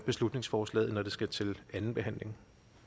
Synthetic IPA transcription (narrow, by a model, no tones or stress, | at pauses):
b̥e̝slud̥ne̝ŋsfɒːslɛ̰ːð̩ˠnɒd̥e̝sɡ̥æt͡sʰe̝lænn̩b̥e̝ɦæn̰le̝ŋ